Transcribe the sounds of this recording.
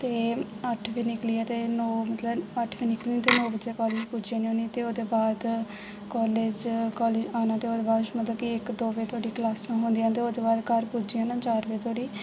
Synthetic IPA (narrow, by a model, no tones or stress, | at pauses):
t̪eː | əʈʰʋeːnɪkliːaːt̪eːnɔːmət̪ləbəʈʰʋiːnɪklĩt̪eːnɔːbəd͡ʒeːkɔːleːd͡ʒpuːd͡ʒiãːnĩõnit̪eːoːd̪eːbaːd̪ | kɔːleːd͡ʒkɔːleːd͡ʒaːnãːt̪eːoːd̪eːbaːd̪ʃmət̪ləbkiɪkd̪oːʋeːt̪ʰoːɽiːklaːsãːɦõnd̪ijãːt̪eːoːd̪eːbaːd̪kəɾpuːd͡ʒijãːnãːt͡ʃaːɾʋeːt̪ʰoːɽiː